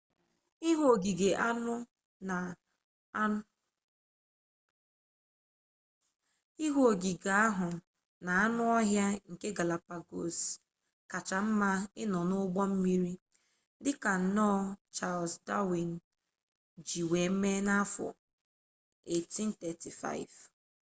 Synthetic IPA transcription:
i˦ɦo˨ɡi˨ɡe˨ʔa˦nʊ˦ | na˨˦ | i˦ɦo˨ɡi˨ɡa˨a˦ɦʊ˨ | na˨a˦nʊ˦ɔ˦ɦja˦ŋ̩˨ke˦ɡa˨la˨pa˨ɡo˨s | ka˨t͡ʃa˨m̩˦ma˦ɪ˦nɔ˨nʊ˦ɡ͡bɔ˦m̩˦mi˦ɾi˦ | dɪ˦ka˨n̩˨nɔ˦t͡ʃa˦˨lsda˦wi˨n˨ | d͡ʒi˨we˨m̩˦me˦na˦fɔ̰˨ | e˨ti˦n̩˦tɛ˨ti˨fa̰˦ɪ˨v

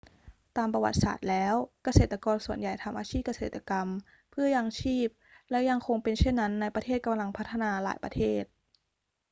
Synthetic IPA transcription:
t̪aː˧mpɾa˧wa̰˨˩t̪̚sa̰ː˨˩t̪̚lɛː˦˥wka˧seː˨˩t̪ːa˧kɔː˧nsu˨˩ənja˨˩jt̪ʰa˧mʔaː˧t͡ɕʰiː˥˩p̚ka˧seː˨˩t̪ːa˧ka˧m | pʰɯ˥˩ɐja˧ŋt͡ɕʰiː˥˩p̚lɛ˦˥wja˧ŋkʰo˧ŋpe˧nt͡ɕʰe˥˩nːa˦˥nːa˧jpɾa˧t̪ʰeː˥˩t̪̚ka˧mla˧ŋpʰa˦˥t̪ʰːa˧naː˧la̰ː˩˦jpɾa̰˧t̪ʰeː˥˩t̪̚

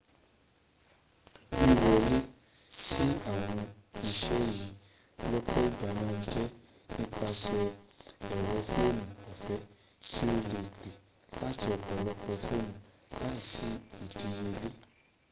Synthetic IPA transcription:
i˧wɔ˨le˦ | si˦a˦˨w̃ɔ̃˧i˧ʃɛ˦ji˨ | lɔ˦k͡pɔ˦i˦ba˨nãː˦˧n̩˦d͡ʒɛ˦ | nĩ˦k͡pa˧ʃɛ˧ɛ˨wɔ˧˦fu˦o˦˨mũ˨ɔ˨fɛ˧˦ | tʰi˦o˧le˨k͡pe˨ | la˦ti˧ɔ˨ɡ͡bɔ˨lɔ˦k͡pɔ˧fo˦mũ˨la˦˨si˦i˨di˧˦je˧le˦

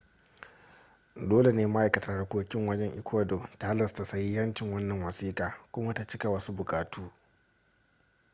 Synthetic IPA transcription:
doː˦le˨neː˦ma˦ʔa˨jkɐ˨ta˦da˨kʷoː˦kʲɪ˦ŋwɐ˦d͡ʒɛ˦ŋʔɪ˦kʰʷoː˦doː˨ta˨˦lɐ˨sta˨sɐ˦ji˦jɐ˦nt͡ʃɪ˨ŋwɐ˦nːɐ˨ŋwɐ˨siː˦kʼaː˨kʷʊ˦ma˦ta˨t͡ʃɪ˦ka˨wɐ˦su˦bʊ˨kʼaː˨tʰuː˦

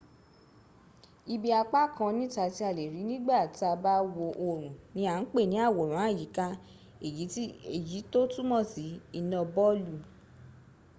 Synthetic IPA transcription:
i˧bi˧a˧k͡pa˦kʰã˧nĩ˦ta˧ti˧˦a˧˨le˨ɾi˨˦nĩ˦ɡ͡ba˦˨ti˦a˧ba˦wo˧ʔo˧ɾ̃ũ˨nĩ˨˦a˨n̩˦k͡pe˦˨nĩ˨˦a˦˨wo˨ɾ̃ũ˨˦a˦˨ji˨˦ka˧ | e˨je˨ji˨˦to˦tu˦mɔ̃˦˨si˨˦i˧nɔ̃˧bɔ˦lu˧˨

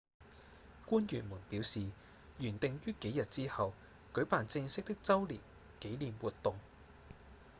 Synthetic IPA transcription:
kuː˥njyː˨˩nmuː˨˩npiː˨˥wsiː˨ | jyː˨˩nt̪ɪ˨˧ŋjyː˥ke˨˥jɐ˨t̚t͡siː˥hɐ˨w | kɵ˨˥paː˨˩nt͡sɪ˧ŋsɪ˥k̚t̪ɪ˥k̚t͡sɐ˥wlḭː˨˩w | ke˨˥jliː˨mwuː˨tt̪ʊ˨ŋ

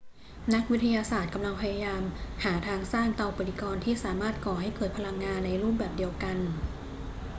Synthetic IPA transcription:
na˦˥k̚wi˦˥t̪ʰa˧jaː˧saː˨˩t̪̚ka˧mla˧ŋpʰa˧jaː˧jaː˧mhaː˩˦t̪ʰaː˧ŋsaː˥˩ŋt̪aː˧ʔo˧pːa˨li˧kɔː˧nt̪ʰiː˥˩saː˩˦maː˥˩t̪̚kɔː˨˩ɦa˥˩jkɤː˨˩t̪̚pʰa˧la˧ŋːaː˧nːa˧jɾuː˥˩p̚bɛː˨˩p̚di˧əwka˧n

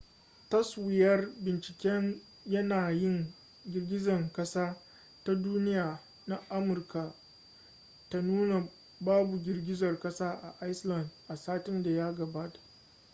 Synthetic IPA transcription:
tɐ˦swɪ˨jɐ˦rbɪ˨nt͡ʃɪ̥˨kʲɛ˦n | jɐ˦naː˨jɪ˦ŋ | ɡʲɪ˨rɡʲɪ˦zɐ˨ŋkɐ˦saː˦ | ta˦duː˦nɪ˦jaː˨ | na˦ʔa˦mʊ˨rka˨ | ta˨nuː˦na˨ | baː˦bu˨ɡʲɪ˨rɡʲɪ˦zɐ˨rkɐ˦saː˦ʔa˨ʔa˦jslɐ˨ndʔa˨saː˦tɪ˦nda˨ja˦ɡɐ˨baː˦tḁ˨

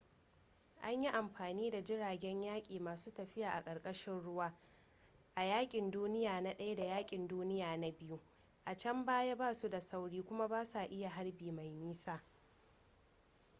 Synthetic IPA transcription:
ʔa˦ɲji˦ʔa˨mɸaː˨niː˦da˨d͡ʒɪ˦ɽaː˨ɡʲɛ˦ɲjaː˦kʲʼiː˨maː˨suː˦tɐ˨ɸɪ˦jaː˨ʔa˨kʼɐ˨ɽkʼɐ˦ʃɪ˦nɽʊ˦waː˦ | ʔa˨jaː˦kʲʼɪ˨nduː˦nɪ˦jaː˨na˦ɗɐ˦ja˦da˨jaː˦kʲʼɪ˨nduː˦nɪ˦jaː˨na˦bɪ˦ju˦ | ʔa˨t͡ʃɐ˦mbaː˦ja˦baː˦su˦da˨sa˦wɽiː˦kʷʊ˦ma˦baː˦sa˨ʔɪ˦ja˨ɦa˦ɽbiː˨ma˨jmiː˦saː˦

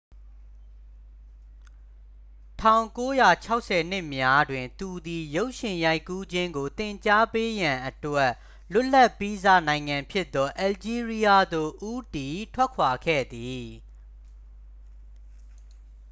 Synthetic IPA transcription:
tʰã˦˨ʊ̃ŋko˦ja˨t͡ɕʰa˦ʊʔsʰɛ˨n̥ɪ˦ʔmja˦dwɪ̃˨nt̪u˨d̪i˨jo˦ʊʔʃɪ̃˨ja˦ɪkːu˦d͡ʑɪ̃˦ŋɡo˨t̪ɪ̃˨ɲt͡ɕa˦pe˦jã˨ʔə˨twɛ˦ʔ | lʊ˦ʔla˦˨ʔpːi˦za̰˦˨nã˨ɪ̃ŋã˨mpʰjɪ˦ʔt̪ːɔ˦ʔɛ˨ld͡ʑi˦ɹi˦ja˦d̪o˦˨ʔu˦ti˨tʰwɛ˦kʰwa˨ɡʰɛ̰˦˨d̪i˨

